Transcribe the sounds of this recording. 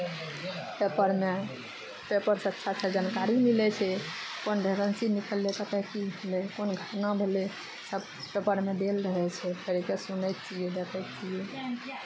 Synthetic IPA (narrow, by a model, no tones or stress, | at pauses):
pepəɾme | pepəɾsətːʃʰat͡ʃʰɛd͡ʒankaɾimilɛt͡ʃʰɛkonɖʱeɾənsinikʰəlːet̪ət̪ɛkibʱelɛkonɡʱəɾnabʱele | səb | pepəɾmed̪elɾəɦɛt͡ʃʰɛpʰeɾkesunɛjt̪̚t͡ʃiɛd̪ekʰɛjt̪̚t͡ʃiɛ